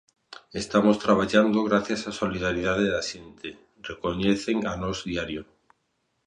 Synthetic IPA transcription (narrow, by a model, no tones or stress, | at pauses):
est̪amost̪ɾaβ̞aʎand̪oɣɾaθjasasoliðaɾiðaðeðaʃent̪e | rekoɲeθeŋanɔzðiaɾjo